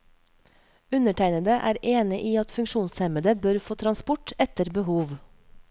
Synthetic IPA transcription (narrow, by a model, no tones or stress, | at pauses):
ʉnəʈʰæɪnəd̪əʔæ̰ːɾeːnɪʔiːɑt̪fʉŋkʃuːnshɛməd̪əbøɾfoːt̪ʰɾɑnspʊʈɛt̪əɾbəhuːʋ